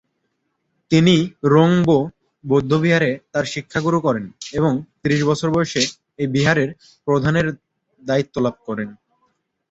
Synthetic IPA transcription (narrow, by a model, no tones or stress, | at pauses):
t̪iniɾoŋbo | bod̪ʱːobiɦaɾet̪aɾʃikʰːaɡuɾukɔɾeneβoŋt̪iɾiʃbɔt͡ɕʰoɾbɔeʃe | ebiɦaɾeɾ | pɾod̪ʱaneɾ | d̪ait̪ːolab̚kɔɾen